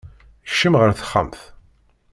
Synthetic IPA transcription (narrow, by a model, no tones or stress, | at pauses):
ʃːəmʁəɾθə̥χːə̰mθ